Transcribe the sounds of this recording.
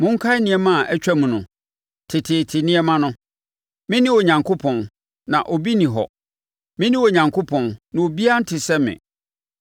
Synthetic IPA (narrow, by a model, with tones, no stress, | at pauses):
mʊ̃˦ŋ̩˦kʰa˦ɪ˦nɪ̃˨ɛ˦mã˦˨ʔɛ˦t͡ɕᶣɛ˦mũ˨nʊ̃˨ | tʰɪ˨tʰɪ˨tʰɪ˨nɪ̃˦ɛ˦mã˦nʊ̃˦ | mɪ̃˦nɪ̃˦o˨ɲã˨ŋkʰo˦pʰɔ̃˨n | nã̰˨ʔo˨bi˦nĩ˨ɦɔ̰˨ | mɪ̃˦nĩ˦o˨ɲã˨ŋkʰo˦pʰɔ̃˨nːã˨o˨bi˦a˦n̩˦tʰɪ˨sɛ˦mɪ̰̃˨